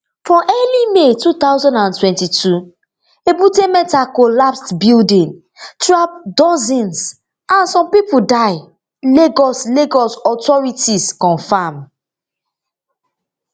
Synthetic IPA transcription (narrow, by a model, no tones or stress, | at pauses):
fɹɔ̃ʔɛlimetut̪awzɔ̃ndãntwɛ̃ntitʰu | ebutemɛ̃takolapstbildĩn | tɹap̚dɔzĩns | ʔãnsɔ̃mpipudaɪ | leɡɔsleɡɔsɔtɔɹitiskɔ̃nfam